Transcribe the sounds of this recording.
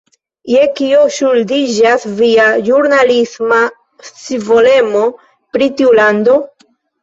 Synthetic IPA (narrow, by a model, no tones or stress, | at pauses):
je̞kio̞ʃuldid͡ʒasviaʒuɾnalisma | sivole̞mo̞ | pɾitiulando̞